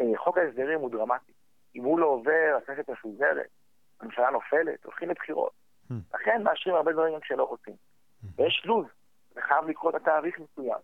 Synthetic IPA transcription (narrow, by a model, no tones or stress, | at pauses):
eχo̞kaesd̪eʁimhud̪ʁamat̪i̥ | imhuloːve̞ʁakneset̪mefuze̞ʁḛt̪̚ | amiʃalano̞fe̞le̞̰t̪o̞̰lχimlebχiʁo̞̰t̪̚ | la̰χe̞nmaaʃʁimaʁbevaʁimkʃelo̞ʁot͡sim | vejeʃluz | veχajavlikʁoet̪at̪aːʁiχmesuja̰m